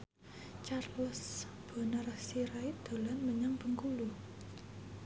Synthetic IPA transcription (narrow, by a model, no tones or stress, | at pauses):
t͡ʃarlɔs | b̥ɔ̤nərsiɾaid̪̥o̤lanməɲaŋb̥ə̤ŋkulu